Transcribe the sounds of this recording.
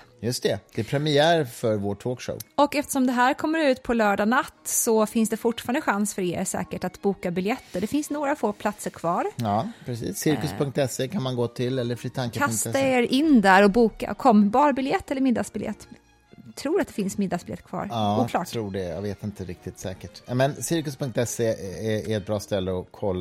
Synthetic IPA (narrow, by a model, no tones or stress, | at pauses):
jɵst̪ɛd̪̥ɛpʰɾɛmɪæːɾfœɾvoːʈʰoːkʂɔ̰ʊɔkɛft̪ə̥ʂɔmd̪ɛɦæːɾkʰɔmːəɾʉ̟ːt̪pʰɔlœːɖanat̪ːsɔfɪnsd̪ɛfʊʈfɑːɾəɳd̪əɧansfœɾḛːɾsɛ̰ːkəʈat̪buːkabɪljɛt̪ːəɖɛfɪnsnoːɡɾafoːpʰlat̪səɾkʰvɑːɾɑpʰɾɛsḭːsːɪɾkɵsʰɵŋk̚t̪ɛseːkʰanmanɡoːt̪ʰɪlːɛlːəɾflyːt̪ʰaŋkkkʰasŋt̪aeːɾʔɪnd̪æɾɔbuːka̰kʰɔmːbɑːɾbɪljɛt̪ːɛlːəmɪd̪ːaɡsbɪljɛ̰t̪ː | t̪ʰɾuːɾat̪̚d̪ɛfɪnsmɪd̪ːɑsb̥ɪlɛ̰t̪ːkʰvɑ̰ːɾɑuːklɑːʈtʰɾuːɖɛja̰ɡveːt̪ɪnt̪əɾɪk̚t̪ɪt̪sɛ̰ːkəʈmɛnsɪɾkɵspʰɵŋk̚t̪ɛseɛæɾɛt̪̚bɾɑːst̪ɛlːəɔkʰɔlːa